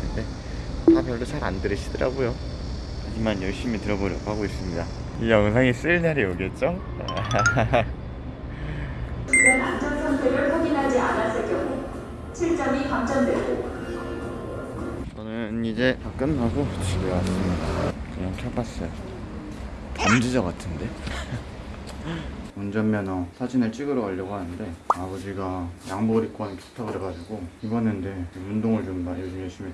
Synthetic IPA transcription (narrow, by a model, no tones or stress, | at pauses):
ɯnde̞ | tapjʌɭːot͡ɕʰaɾa̰ndɯɾɯɕʰidɯɾa̰ɡojo | had͡ʑimanjʌɭɕ͈imitɯɾʌboɾjʌɡhaɡois͈ɯmɲida | ijʌŋsʰaŋis͈ɯɭɲaɾioɡet̚t͡ɕ͈o | t͡ɕiɡanand͡ʑʌnsʰaŋtʰeɾɯɭɸoɡinɦad͡ʑianas͈ʰek͈jʌŋu | t͡ɕʰiɭt͡ɕ͈ʌmikamd͡ʑʌndweɡo | t͡ɕʌnɯnid͡ʑe̞pak͈ɯnpaɡoɕʰiɡiɡaasɯmɲidakɯɲaŋkʰjʌpas͈ʌjo | tʌmd͡ʑid͡ʑʌɡatʰɯnde̞ | ond͡ʑʌmːjʌnʌsʰad͡ʑineɭt͡ɕ͈ʰiɡɯɾoʌʎːʌɡoɦanɯnde̞abʌd͡ʑiɡajaŋboɾik͈wʌnpʰi̥stʰaɡɯɾeɡad͡ʑuɡoibʌnɯnde̞undoŋɯɭt͡ɕomːajod͡ʑimjʌɭɕ͈imi